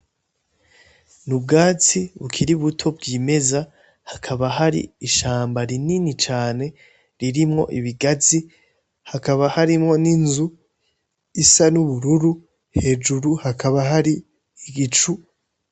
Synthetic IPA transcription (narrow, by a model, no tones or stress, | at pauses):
nubɡaːt͡siβukʰiɾiβutʰo̞bɡime̞za | hakʰaβaɦaɾḭiʃaːmbaɾininit͡ʃaːne̞ | ɾiɾimŋo̞ʔiβiɡazi | hakaβahaɾimŋo̞ninzu | isanuβuɾuɾu | he̞ːd͡ʒuɾuhakʰaβaɦaɾi | iɡit͡ʃu